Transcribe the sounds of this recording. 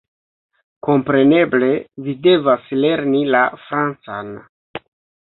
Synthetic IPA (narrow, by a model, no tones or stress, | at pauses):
ko̞mpɾe̞ne̞ble̞vide̞vasle̞ɾnilafɾant͡san